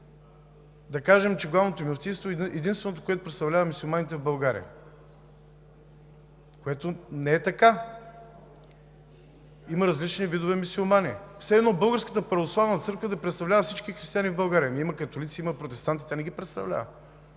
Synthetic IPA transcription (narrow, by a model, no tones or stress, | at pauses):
d̪ɐkaʒɛmt͡ʃɛɡlˠavnot̪omist̪inst̪voɛd̪inst̪vɛnot̪o̥koɛt̪o̥pɾɛt̪st̪ɐvlʲavəmisulˠmanit̪ɛvbɐlˠɡaɾḭə̰ | koɛt̪onɛɛt̪ɐka | iməɾɐzlit͡ʃnivid̪ovɛmisulˠmanisɛd̪nɔbɤlˠɡəɾskət̪əpɾɐvoslˠavnət̪sɤɾkvəd̪ɐpɾɛt̪st̪ɐvlʲavəfsit͡ʃkixɾist̪ianivbɐlˠɡaɾiəmiiməkɐt̪olit̪siimɐpɾot̪ɛst̪ant̪i̥t̪anɛɡipɾɛt̪st̪ɐ̰vlʲa̰və̰